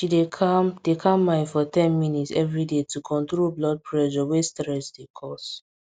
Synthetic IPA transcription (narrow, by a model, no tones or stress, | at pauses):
ʃidekʰamd̥ekʰãmːãɪ̃nfɔtɛ̃nminitsɛvɹidetukʰɔ̃ntɹoblɔd̚pʰɹɛʒɔwestɹɛsdekʰɔs